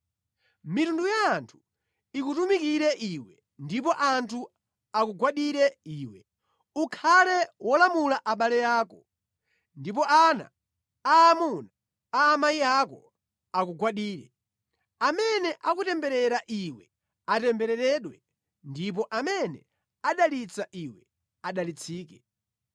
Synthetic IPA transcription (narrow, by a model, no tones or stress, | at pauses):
mitundujaːntʰu̥ | ikutumikiɾɛʔiwɛ | ndipɔʔantʰu | akuɡwaɗiɾɛiːwɛ | ukʰalɛwɔlamulaʔaɓalɛjaːkɔ | ndipɔʔana̰ː | muna | aːmajiakɔ | akuɡwaɗiːɾɛ | amɛnɛʔakutɛmbɛɾɛɾaʔiwɛ | atɛmbɛɾɛɾɛɗwɛ | ndip̬ɔʔamɛnɛ | aɗalit͡saʔiwɛ | aɗalit͡sʰiːkɛ